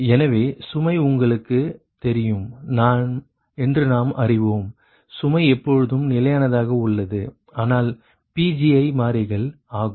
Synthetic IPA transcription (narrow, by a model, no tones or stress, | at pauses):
ɛnɐʋeːsʊmɐɪʊŋɡɐɭɯkːɯ | t̪ɛɾɪjɯmnaːn | ɛndrɯnaːmʔɐrɪʋoːm | sʊmɐɪɛpːɔɻɯðɯmnɪlɐjaːnɐðaːɣɐʊɭːɐðɯ | aːnaːl | piːd͡ʒiɐɪmaːɾɐɪɣɐɭ | aːɣɯ